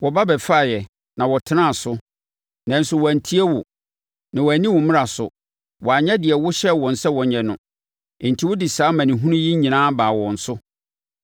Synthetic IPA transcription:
wɔ˨ba˦bɛ˨fa˦˨jɛ˨ | nã˨wɔ˨tʰɪ˦ã˦˨sʊ˦ | nã˨n̩˦sʊ˨wɔ˨æ˨n˨tʰi˦ɛ˦wʊ˨ | nã˨wɔ˨æ˨nĩ˦wʊ̃˨mɪ̃˦ɾa˨sʊ̰˨ | wɔ˨a˨ɲɛ̃˦dɪ˨ɛ˨wʊ˦ɕɛ˦wɔ̃˨n̩˨sɛ˦wɔ˨ɲɛ̃˨nʊ̃˨ | ɪ̃˨n̩˨tʰi˦wʊ˦dɪ˨saː˨˦mã˨nĩ˨ɦũ˦nʊ̃˦ji˦ɲĩ˨nãː˦baː˨wɔ̃˨n̩˨sʊ˦

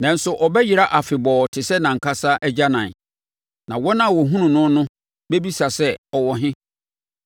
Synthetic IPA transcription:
nã˨n̩˦sʊ˨ʔɔ˨bɛ˦ji˨ɾa˦ʔa˨fɪ˨bɔː˨tʰɪ˨sɛ˦nã˨ŋ̩˨kʰa˦sa˦ʔɛ˦d͡ʑa˦nã˨n˨ | nã˨wɔ˦nã˦˨wɔ˨ɦũ˦nũ˨nʊ̃˦nʊ̃˦ | bɛ˦bi˦sa˨sɛ˦ɔ˨wɔ˨ɦɪ̃˦

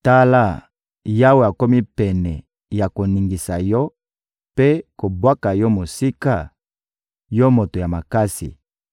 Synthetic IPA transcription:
ta˦la˦˨ | ja˦we˨a˨ko˦mi˦pɛ˨nɛ˨ | ja˨ko˨ni˨ŋɡi˨sa˨jɔ˦ | pe˦ko˨bwa˦ka˨jɔ˦mo˨si˦ka˦˨ | jɔ˦mo˨to˨ja˨ma˨ka˦sḭ˨

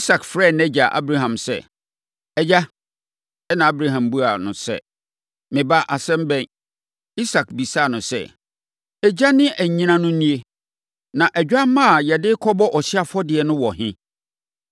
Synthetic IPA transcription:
i˦sa˨kfɾɛː˦˨nɛ̃˦d͡ʑa˨ʔa̰˦bɾa˦ɦã˨msɛ̰˦˨ | ɛ˨d͡ʑa˦ | ɛ˦nã˨a˦bɾa˦ɦã˨mbu˦a˨nʊ̃˨sɛ̰˦ | mɪ̃˨ba˦ʔa˨sɛ̃˦m˦bɛ̃˦˨n | i˦sa˨k̚bi˨sa˦˨nʊ̃˨sɛ̰˦˨ | ɛ˨d͡ʑa˦nɪ̃˦ʔæ˨ɲ˨ɲĩ˦nã˦nʊ̃˦nĩ˦e˦ | nã˨ʔæ˨d͡ʑᶣa˦mã˦a˨jɛ˨dɪ˦kʰɔ˦bɔ˦ʔɔ˨ɕɪ˦a˨fɔ˦dɪ˨ɛ˨nʊ̃˦wɔ˨hɦɪ̃˦

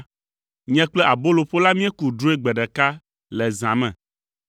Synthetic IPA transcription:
ɲɛ̃˦k͡plɛ˦ʔa˨bo˦lo˨ɸo˦la˦mĩ˦ɛ˦ku˨ɖo˦e˦ɡ͡bɛ˨ɖɛ˨ka˦ | lɛ˨zã˨mɛ̰̃˨

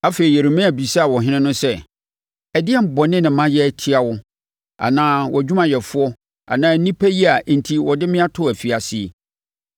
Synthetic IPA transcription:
a˦fe˨ɾi˨ɛ˨ɾo˨mæ̃˦˨bi˨sa˦˨wɔ˨ɦɪ̃˦nɪ̃˦nʊ̃˦sɛ˦ | ɛ˨dɪ˦ɛ˦˨m̩˨bɔ˨nɪ̃˦nɪ̃˨mã˦jɛ˦˨tʰi˦a˨wʊ˦ | a̰˨nãː˦wʔɔ˨d͡ʑᶣu˦mã˨jɛ˨fʊ˦ɔ˦ | a̰˨nãː˦nĩ˦pʰæ˦ji˦a˨n̩˨tʰi˦wɔ˨dɪ˦mɪ̃˦a˦tʰʊ˦˨æ˨fi˨a˨sɪ˦e˨

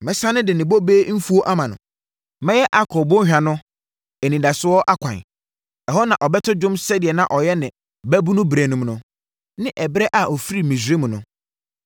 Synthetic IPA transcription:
mɪ̃˨sã˦nɪ̃˦dɪ˨nɪ̃˨bo˦be˦m̩˦fu˦o˦ʔa˦mã˨nʊ̰̃˨ | mɛ̃˦jɛ˦ʔa˨kʰɔ˨bʊ̃˦hᶣã˨nʊ̃˦ | ɛ˨nĩ˨da˨sʊ˦ɔ˦ʔa˦kʷʰã̰˨n | ɛ˨ɦɔ˦nã˨ʔɔ˨bɛ˦tʰʊ˦d͡ʑʊ̃˦msɛ˦dɪ˨ɛ˨nã˨ʔɔ˨jɛ˦nɪ̃˨ | bæ˦bu˦nʊ̃˦bɾe˨nũ˨mnʊ̃˦ | nɪ̃˦ʔɛ˨bɾɛ˦ʔa˨ʔɔ˨fi˦ɾi˨mĩ˨s̬ɾe˦mũ˨nʊ̃˨

